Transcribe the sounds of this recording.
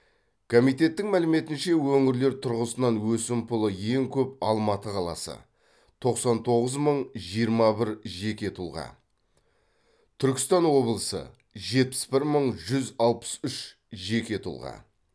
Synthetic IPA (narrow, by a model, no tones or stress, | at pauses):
kʰo̞mijt̪̬e̞t̪ːɪŋmælɪme̞t̪ɪnʃe̞wɵŋɪɾle̞ɾt̪ʰʊɾʁəsənɑnwɵsɪmpʰʊlˠəje̞ŋkʲʰɵp̚ɑlˠmɑt̪əqʰɑlˠɑ̰sə̰ | t̪ʰo̞qsɑnt̪ʰo̞ʁəzməɴʒijəɾmɑbɪɾʒe̞kʲe̞t̪ʰʊlˠʁɑ̰ | t̪ʰʏɾkʲɪ̥st̪ɑnwo̞blˠəsə̰ | ʒe̞t̪̚pɪ̥sbɪɾməɴʒʏzɑlˠpə̥sʏʃ | ʒe̞kʲe̞t̪ʰʊ̰lˠʁɑ̰